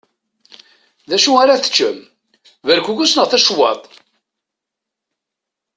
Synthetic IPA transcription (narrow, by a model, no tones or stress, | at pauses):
ðæʃuaɾaθə̥t͡ʃːəm | vəɾkʷuɡusnəʁθæʃwɑ̰t̪ˤ